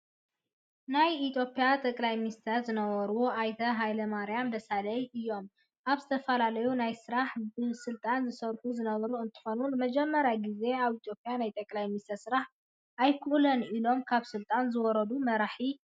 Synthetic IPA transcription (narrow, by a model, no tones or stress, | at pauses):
najit̪ʰjo̞pʼjat̪ʼɐkʼlajminist̪ʰɐɾzɨnɐβɐɾuwoʔajt̪ʰɐɦajlɐmaɾijamd̪ɐsalɐjʔɨjːo̞m | ʔaβzɨt̪ʰɐfɐlalɐjunajsɨɾaħbɨsɨlt̪ʼanzɨsɐɾħuzɨnɐβɐɾuɨnt̪ʰɨ̥xo̞nulmɐd͡ʒɛmːɐɾjaɡize̞aβit̪ʰjo̞pʼjanajt̪ʼɐkʼlajminist̪ʰɐɾsɨɾaħ | ʔajkʰuʔlɐnilo̞mkʰaβsɨlt̪ʼanzɨwɔɾɐd̪umɐɾaħi